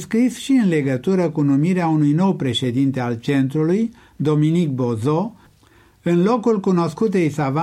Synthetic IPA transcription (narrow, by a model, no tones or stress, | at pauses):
skɾisʃiɨnle̞ɡət̪uɾəkunumiɾeaunujno̞wpɾe̞ʃe̞d̪int̪e̞alt͡ʃe̞nt̪ɾuluj | d̪o̞minik̚bo̞zo | ɨnlo̞kulkuno̞skut̪ejsava